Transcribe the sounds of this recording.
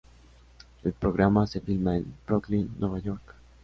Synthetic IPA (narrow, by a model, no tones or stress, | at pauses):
elpɾo̞ɣɾamase̞filmaenbɾoklinːwe̞βajo̞ɾk